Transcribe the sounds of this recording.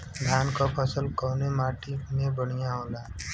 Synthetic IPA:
d̪ʱjaːnkapʰəsəlkɔːnemaːʈimẽbəɽ̃ijãɦoːlaː

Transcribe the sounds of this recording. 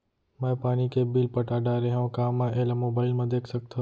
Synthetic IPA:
mɛ̃ːpaːnikebiːlpəʈaːɖaːɾeɦãkaːmːãʔelamoːbaːɪlmãd̪eːkʰsək̚t̪ʰa

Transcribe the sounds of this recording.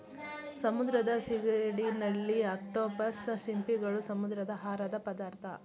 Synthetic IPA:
sɐmud̪ɾɐd̪ɐsiɡɾeːɽinɐɭːiaːkʈoːbɐsʃimpiɡɐɭusɐmud̪ɾɐd̪ɐɦaːɾɐd̪ɐpɐd̪aːɾt̪ʰɐ̰

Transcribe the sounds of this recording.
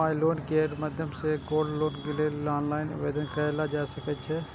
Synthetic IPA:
aːjloːnkeɾmad̪ʱjəmseɡoːɖloːnkeleaːnlaːɪnɐ̰ʋeːd̪ənkəlad͡ʒaːsɐkət͡ʃʰɛ

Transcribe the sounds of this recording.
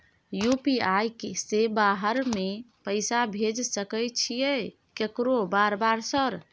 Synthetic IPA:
jupiajkesebaɦəɾmepəɪsabʱed͡ʒsəkəjt͡ʃʰijɛ | kekɾobaɾbaɾsəɾ

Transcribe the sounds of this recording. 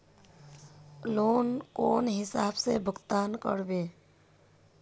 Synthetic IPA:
loːnkoːnɦɪsaːbsebʱʊɡt̪aːnkə̰ɽbeː

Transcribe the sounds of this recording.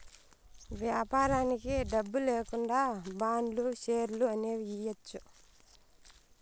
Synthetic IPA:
ʋjaːpaːɾaːnikiɖɐbːuleːkuɳɖaːbaːɳɖluʃeːɾluɐneːijɐt͡ʃːu

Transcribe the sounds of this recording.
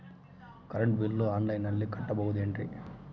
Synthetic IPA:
kɐɾɐɳʈbilːuaːnlɐjnɐlːikɐʈːɐbowud̪eːɳʈɾḭ

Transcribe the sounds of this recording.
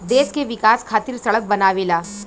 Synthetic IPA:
d̪eːskeʋɪkaːskʰaːt̪ɪɾsɐɭək̚bɐnaːʋelaː

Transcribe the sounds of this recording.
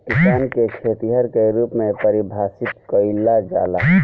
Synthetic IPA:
kɪsaːnkekʰeːt̪iɦəɾkeɾuːpmẽpəɾibʱaːsɪt̪kəɪlad͡ʒa̰ːla

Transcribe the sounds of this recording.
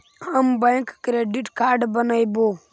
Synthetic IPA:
ɐmbəjkkɾeɖiʈkaːɾɖbɐnajbo

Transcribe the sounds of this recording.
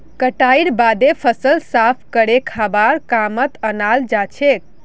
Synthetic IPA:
kəʈaiɽbad̪epʰəsəlsapʰkəɽekʰabaɾkamət̪ənald͡ʒat͡ʃʰek̚

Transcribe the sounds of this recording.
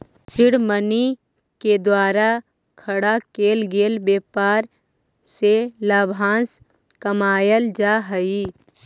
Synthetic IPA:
t͡ʃʰɪɽməni | ked̪waːɾa | kʰəɽakeːlɡeːlbeːpaːɾ | selaːbʱãːns | kəmaːjəld͡ʒaːɦəi

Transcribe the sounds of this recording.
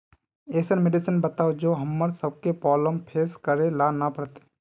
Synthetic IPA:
eːsəɾmeɖɪsənbət̪aːod͡ʒoːɦəmːəɾsəb̚kepɔːləmpʰeːskəɾelaːnapəɾt̪e̥

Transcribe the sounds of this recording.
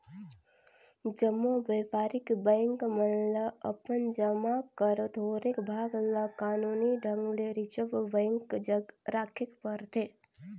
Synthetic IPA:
d͡ʒəmːobəjpaːɾikbəjŋkmənləəpənd͡ʒəmakəɾət̪ɦoːɾekbʱaːɡləkaːnuniɖʱəŋɡleɾit͡ʃəbbəŋkd͡ʒəɡɾaːkʰekpəɾt̪ʰe

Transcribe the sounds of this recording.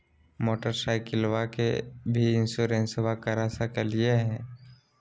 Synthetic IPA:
moːʈəɾsaːɪkɪlwakḛbʱiɪ̃nsuɾẽːnsʋakəɾasakəlieɦɛ̃ː

